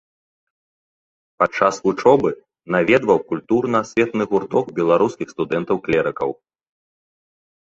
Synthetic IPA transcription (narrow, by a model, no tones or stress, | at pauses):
pat͡ʂːasvut͡ʂɔbɨ | navʲɛd̪vɐwkulʲt̪urnɐsʲvʲɛt̪nɨɣurt̪ɔkbʲɛlˠaɾuskʲixst̪ud̪ɛnt̪ɐwklʲɛɾɨkɐw